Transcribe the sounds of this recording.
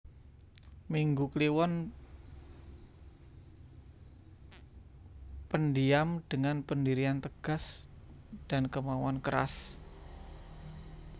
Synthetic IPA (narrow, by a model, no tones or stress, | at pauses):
miŋɡukliwɔn | pəndiamd̥əŋanpəndiɾiant̪əɡ̥a̤s | d̥ankəmawankəɾa̰s